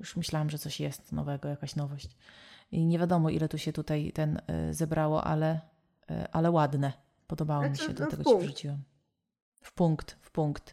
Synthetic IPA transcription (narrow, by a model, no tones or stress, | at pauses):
juʂmɘɕlawamʐɛt̪sɔɕjɛst̪nɔ̰vɛɡɔjakaɕnɔvɔɕt͡ɕiɲevʲjad̪ɔmɔʔḭlɛt̪uɕɛt̪ut̪ajt̪ɛn̰zɛbɾawɔ̰ʔa̰lɛ | ʔalɛwad̪nɛ | pɔd̪ɔbawɔmʲiɕɛ̰d̪lat̪ɛɡɔɕɛvʐut͡ɕiwɛm | fpuŋkt̪fpuŋkt̪